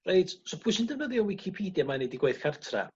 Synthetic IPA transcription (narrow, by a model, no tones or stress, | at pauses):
reɨtsɔpʰʊsɪndənəðjɔwɪkʰipʰiːdjamanediɡweɨθkʰartʰra̰